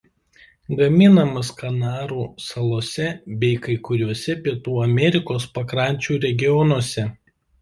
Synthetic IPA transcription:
ɡɐmʲɪnɐmɐskɐnɑːɾuːsɐlˠoːsʲɛbʲɛɪkɐɪkʊɾʲuɔsʲɛpʲiɛt̪uːɐmʲɛɾʲɪkoːspɐkɾɑˑnʲt͡ʃʲuːɾʲɛɡʲɪjɔnuɔsʲɛ

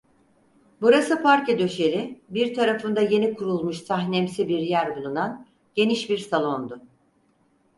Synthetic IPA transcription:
buɾasɯpʰaɾced̪ø̞ʃe̞ɾibiɾt̪ʰaɾafɯnd̪aje̞nikʰuɾulˠmuʃsaɦnɛmsibiɾjæɾbulˠunan | ɟe̞niʃbiɾsalˠo̞nd̪ʊ

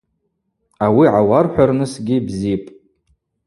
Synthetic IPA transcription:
awiʕawarħʷᶣarnɨsɡʲibzipʼ

